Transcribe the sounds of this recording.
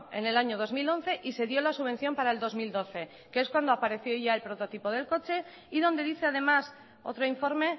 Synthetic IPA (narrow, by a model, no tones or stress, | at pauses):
e̞̰ne̞laɲoð̞o̞zmilo̞n̟θe̞ʔise̞ðjo̞lasuβe̞n̟θjo̞mpaɾae̞ld̪o̞zmild̪o̞θe̞ | keeskwand̪oapaɾe̞θjo̞ʝae̞lpɾot̪o̞t̪ipo̞ð̞e̞lko̞t͡ʃe̞ | iðo̞nd̪e̞ðiθe̞að̞e̞mas | o̞̰t̪ɾoiɱfo̞ɾme̞